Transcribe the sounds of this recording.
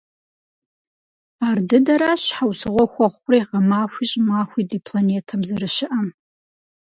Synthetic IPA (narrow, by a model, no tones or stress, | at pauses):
ardɨdɐɾaɕħawsʰɨʁʷɔxʷɔχʷʊrajqɐmaːxʷiːɕʼmaːxʷidipʰlaneːtʰɐmzɐrɨʃɪʔɐm